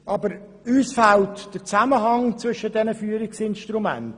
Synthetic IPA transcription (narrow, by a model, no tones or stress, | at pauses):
ʔɑbəɾ | yːsfæltd̥əɾt͡sæməɦɑŋt͡sʋʏʃəd̥ɛnəfyːəɾɪksɪnʃtɾumæ̰nt